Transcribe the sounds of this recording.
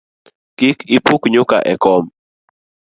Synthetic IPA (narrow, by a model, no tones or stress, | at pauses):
kikipukɲʊka̰ʔɛkɔm